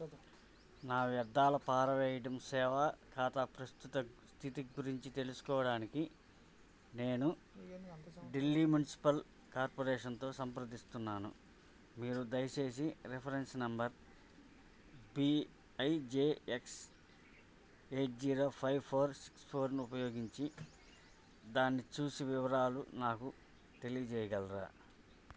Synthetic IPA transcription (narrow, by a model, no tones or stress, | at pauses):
naːʋjɐd̪ːaːlɐpaːɾɐʋɛːjɐɽɐmsɛːʋɐkaːt̪apɾɐst̪ut̪ɐst̪ʰit̪iɡuɾiɲt͡ʃit̪e̞lusu̥kɔːʋɐɽaːniki | ne̞ːnu | ɖilːiːmjunisi̥pɐl | kaːɾpoɾeːʂɐnt̪o̞ːsɐmpɾɐd̪ist̪unːaːnṵ | miːɾud̪ɐjɐt͡ʃe̞ːs̬iɾepʰɐɾe̞nsnɐmbɐɾ | biː | ɐjd͡ʒeːeks | eːʈ̚d͡ʒiːɾoːpʰɐjʋpʰo̞ːɾsi̥kspʰo̞ːɾniupɐjo̞ːɡiɲt͡ʃi | d̪aːnːit͡ʃuːsiʋiʋɐɾaːlunaːku | t̪e̞liːɐt͡ʃɛːjɐɡɐlɾa̰ː